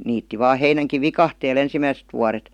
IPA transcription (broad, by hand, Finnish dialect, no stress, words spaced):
niːtːi ʋɑː heinæŋkiʋ ʋikɑhteːl ensimæiset ʋuɑret